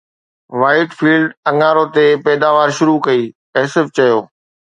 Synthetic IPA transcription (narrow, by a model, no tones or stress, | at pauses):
ʋaːɪʈfiːlɖɐ̃ŋaːɾot̪epɛːd̪aːʋaːɾʃʊɾukɐiː | ɛːsɪft͡ɕɐjoː